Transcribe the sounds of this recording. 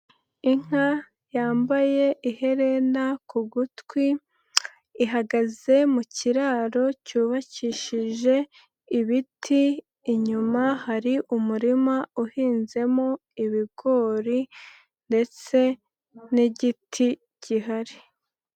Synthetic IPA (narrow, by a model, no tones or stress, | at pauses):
iŋ̥a | jaːmbaje̞ʔihe̞ɾe̞nakuɡutkwiː | ɦaɡaze̞muciɾaːɾo̞cuːβaciʃiʒe̞ | iβitʰiː | ɲumahaɾiʔumuɾimauhiːnze̞mo̞ | iβiɡo̞ːɾi | nde̞t͡se̞ | niɟitʰi | ciɦaɾi